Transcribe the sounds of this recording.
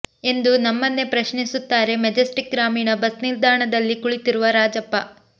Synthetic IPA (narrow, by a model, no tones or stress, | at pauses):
e̞nd̪unɐmːɐnːe̞pɾɐʃnisut̪ːaːɾe̞med͡ʒɐsʈik̚ɡɾaːmiːɳɐbɐsniɾd̪ʱaːɳɐd̪ɐlːikuɭit̪iɾuʋɐɾaːd͡ʒɐpːɐ